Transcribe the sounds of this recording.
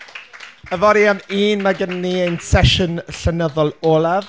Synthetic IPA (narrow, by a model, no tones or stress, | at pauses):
əvɔɾiamiːnmaɡənniejnsɛʃʊnɬənəðɔlˠoːlˠav